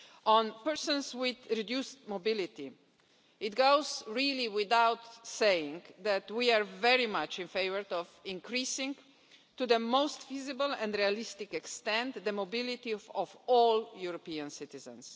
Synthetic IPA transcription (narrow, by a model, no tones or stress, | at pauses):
ʔɔ̃npɛɹsɔ̃nswɪðɹid̪justmobɪlit̪i | ɪt̪ɡoʊzɹiliwɪðawt̪sejɪ̃ŋðæt̪wiaɹvɛɹimat͡ʃĩnfeɪvəɹɔvĩŋkɹisɪ̃ŋ | t̪uðəmoʊst̪fizɪbəlɛ̃ndɹialɪst̪ɪkɛkst̪ɛ̃nt̪d̪əmobɪlit̪iɔvɔljuɾɔpiãnsɪt̪izə̰̃ns